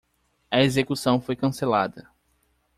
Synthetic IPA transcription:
ɐezekusɐ̃w̃fojkɐ̃selad̪ɐ

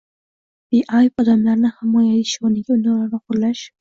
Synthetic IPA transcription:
biʔɑjɒd̪amlaɾnɪhɪmɒjaviʃɒnɪɡʲaʊnalaɾnaqʰʊɾlaʃ

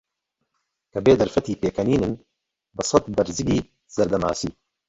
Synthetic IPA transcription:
kɐbeːd̪ɐɾfɐt̪iːpeːkɐniːnɨn | bɨsˤɐt̪bɐɾzɨɡiː | zɐɾd̪ɐma̰ːsiː

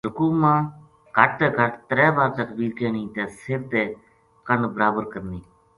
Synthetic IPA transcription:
d͡ʒʊkuːmãː | ɡʱəʈ̚t̪ɛːɡʱəʈt̪ɾɛːbaːɾt̪əkbiːɾkeːniːt̪ɛːsɪɾt̪eː | kəɳbəɾaːbəɾkəɾniː

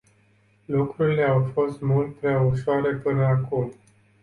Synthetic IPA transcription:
lukɾuɾile̞awfo̞st̪mult̪̚pɾeauʃoaɾe̞pɨnəakum

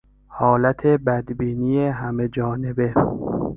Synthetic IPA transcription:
hɒːlæt̪ʰe̞bæd̪biːniːjeɦæme̞d͡ʒɒːne̞be̞

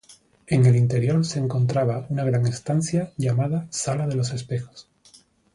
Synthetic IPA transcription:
e̞ŋe̞lint̪e̞ɾjo̞ɾse̞ːŋkõ̞nt̪ɾaβ̞aunaɣ̞ɾaŋe̞st̪an̟θjaʝamað̞asalaðe̞lo̞se̞spe̞xo̥s

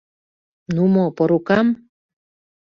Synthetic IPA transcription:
numopoɾukɑm

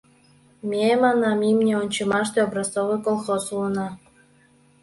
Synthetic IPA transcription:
mʲemɑnɑmimnʲeonʲt͡ɕɤmɑʃt̪eobrɑst̪ovɤkolˠxosuɤnɑ

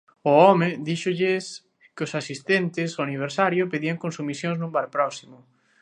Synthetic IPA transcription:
ʊɔmɪd̪iʃʊʎɪs | kʊsasist̪ent̪ɪsoaniβ̞eɾsaɾjʊpeðiaŋkõnsumisjoŋznũmbaɾpɾɔsimʊ

